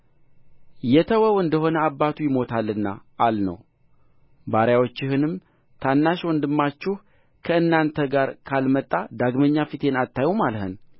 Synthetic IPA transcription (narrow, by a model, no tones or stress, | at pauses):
jɛt̪ʰəwəwɨnd̪əho̞nəabːat̪ʰujɪmo̞t̪ʰalːɨnːa̰ʔːlnə̰w | baɾjawot͡ʃːɪhɨnɨm | t̪ʰanːaʃwɔnd̪ɨmːat͡ʃːɪh | kʰəɨnːant̪ʰəɡaɾkʰalmət̪ʼːad̪aɡməɲːafit̪ʰe̞nat̪ːajumalhɨ̰n